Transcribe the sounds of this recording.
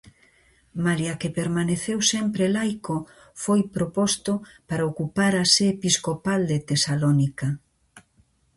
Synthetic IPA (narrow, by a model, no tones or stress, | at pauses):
maljakepeɾmaneθewsempɾelajko | fojpɾopost̪opaɾaokupaɾaseːpiskopald̪et̪esalonika